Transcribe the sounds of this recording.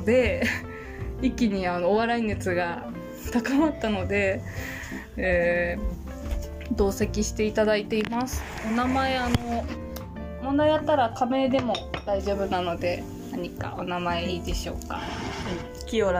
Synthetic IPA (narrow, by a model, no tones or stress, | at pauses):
d̪e̞ | ikʲːiɲ̟iano̞ːβaɾaine̞t͡sɨɡa | t̪akamat̪ːano̞d̪e̞ | e | d̪o̞ːse̞kʲiɕi̥t̪e̞it̪ad̪ait̪e̞imasɨ̥ | onamae̞ano̞ | monajat̪ːaɾakame̞ːd̪e̞mo̞d̪aiʑo̞ːbɯ̟nano̞d̪e̞ | naɲ̟ika̰ʔo̞namae̞iːd̪e̞ɕo̞̰ːka̰ | kʲioɾ